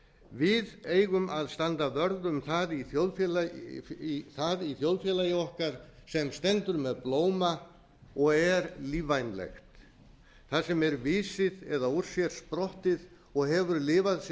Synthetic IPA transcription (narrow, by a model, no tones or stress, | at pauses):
vɪðeːjɣʏmʔaðst̪ant̪avœɾðʏmθaðiθjowlfjɛlaiθaðiθjowlfjɛlajɪɔhkaɾ̥sɛmst̪ɛnt̪ʏɾmɛðploːwma | ɔɣɛɾliːvajnlɛ̰xt̪ | θaðsɛmɛɾvɪːsɪðɛðauɾ̥sjɛɾ̥spɾɔht̪ɪð | ɔɣɦɛvʏɾlɪːvaðs